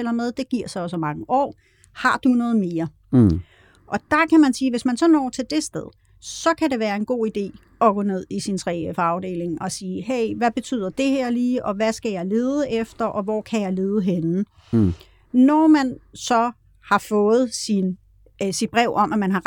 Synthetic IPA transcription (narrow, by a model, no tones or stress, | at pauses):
el̰ɐmeð̞ˠd̥e̝ɡ̥iɐ̰sɑɒ̽sɒmɑ̈ŋəʔɒ̰ː | hɑ̈d̥unɔ̽ːð̩ˠme̝ːɐ | ʔɒ̽d̥ɑ̈kʰæmænsiːʋe̝smænsɒ̽nɒ̰ːt͡sʰe̝ld̥e̝sd̥eð̞ˠ | sɒ̽kʰæɾe̝ʋæːɐe̝nɡ̥o̝̰ːid̥e̝̰ː | ɒ̽ɡ̥ɔ̽ne̝ð̞̰ˠisint͡sʰʁɛ̰ːefɑ̈ʊd̥e̝̰ːle̝ŋɒ̽siːɦeɪ̰ʋæb̥e̝t͡sʰy̰ːð̞̰ˠɐd̥e̝hæɐ̰liːʔɒ̽ʋæsɡ̥æjɑ̈ɪle̝ːðˠəʔefd̥ɐʔɒ̽ʋɒ̰ːkʰæjɑ̈ɪle̝ːð̞ˠəɦen | nɒmænsɒ̽ | hɑ̈fɔ̽ːð̞̩ˠsin | sid̥̚b̥ʁɛʊ̰ʔɒ̽mʔæmænɦɑ̈ʁ